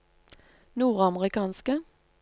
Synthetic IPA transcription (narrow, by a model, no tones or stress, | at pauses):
nuːʁɑməʁɪkɑːnskə